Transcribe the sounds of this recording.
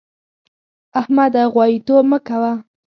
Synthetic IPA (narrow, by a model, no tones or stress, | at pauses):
ahmad̪aɣwɑjit̪obməkawa